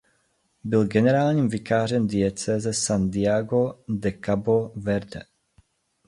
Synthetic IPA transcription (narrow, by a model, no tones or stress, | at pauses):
bɪlɡɛnɛɾaːlɲiːmvikaːrɛmd̪iɛt͡sɛːzɛsand̪iaɡod̪ɛkabovɛɾd̪ɛ̰